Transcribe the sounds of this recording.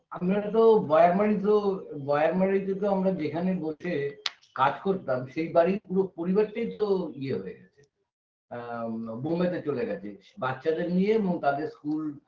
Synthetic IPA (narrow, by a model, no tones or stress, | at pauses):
amɾat̪̬obɔeaɾmaɽit̪obɔeaɾmaɽit̪ok̪oamɾad͡ʑekʰanebolʰe | kad͡ʑkoɾt̪amʃejbaɾipuɾopoɾibaɾʈajt̪oieɦoeɡɛt͡ɕʰe̥ | bomet̪̬et͡ɕoleɡɛt͡ɕʰebatːʃad̪eɾnijeeboŋt̪ad̪eɾskul